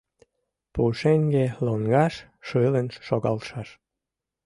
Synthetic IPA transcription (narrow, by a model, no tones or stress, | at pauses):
puʃeŋɡeloŋɡɑʃ | ʃɨlənʃoɣɑ̰lʃɑʃ